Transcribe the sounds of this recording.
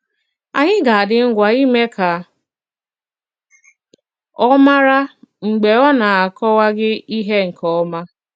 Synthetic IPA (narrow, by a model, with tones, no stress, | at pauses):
a˨ɲɪ˦ɡa˨dɪ˦ŋ̩˦ɡʷa˨i˦me˦ka˨ | ɔ˦ma˦ɾa˦ŋ͡m̩˨ɡ͡be˨ɔ˦na˨a˨kɔ˦wa˦ɡɪ˦i˦ɦe˦ŋ̩˨kʰɔ˨˦ma˦